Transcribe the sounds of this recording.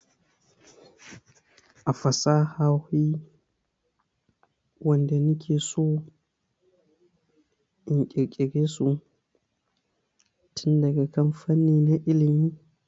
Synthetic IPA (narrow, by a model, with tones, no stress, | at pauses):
ʔa˨fa˨sa˦ha˦whi˦ | wɔ˨ndɛ˨ni˦kʰe˨sɔ˦ | i˨nkʲʼɛ˨ɾkʲʼɛ˨ɡe˦su˨ | tʰi˦nda˨ɡa˨ka˦mfa˦nːi˨na˦ʔi˦li˨mi˦